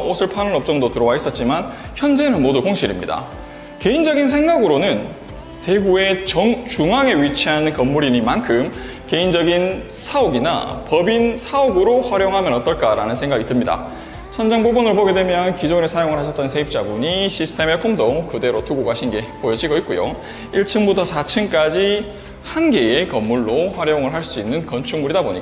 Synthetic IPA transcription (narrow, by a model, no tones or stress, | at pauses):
osʰɯɭpʰanɯnʌp̚t͡ɕ͈ʌŋdotɯɾʌwais͈ʌt̚t͡ɕ͈iman | çjʌnd͡ʑe̞nɯnmodukoŋɕʰiɾimɲḭda̰ | ke̞ind͡ʑʌɡins̬ʰeŋɡaɡɯɾonɯn | te̞ɡue̞t͡ɕʌŋt͡ɕuŋaŋe̞ɥit͡ɕʰiɦanɯnkʌmːuɾiɲimankʰɯm | ke̞ind͡ʑʌɡinsʰaoɡina̰pʌbinsʰaoɡɯɾoɸwaɾjoŋɦamjʌnʌt͈ʌɭk͈aɾanɯnsʰe̞ŋɡaɡitɯmɲida̰ | t͡ɕʰʌnd͡ʑaŋɡuɡunɯɭpoɡe̞dwe̞mjʌnkid͡ʑonesʰajoŋɯɭhaɕʰʌt͈ʌnsʰe̞ip̚t͡ɕ͈abuɲiɕʰisʰɯ̥tʰe̞mekʰoŋdokɯde̞ɾotuɡoɡaɕʰinɡe̞pojʌd͡ʑiɡʌit̚k͈ojo̰ | iɭt͡ɕʰɯnbutʰʌsʰat͡ɕʰɯnk͈ad͡ʑi | hanɡe̞ekʌmːuɭːoɸwaɾjoŋɯɭɦaɭs͈uinːɯnkʌnt͡ɕʰuŋmuɾidaboɲik͈a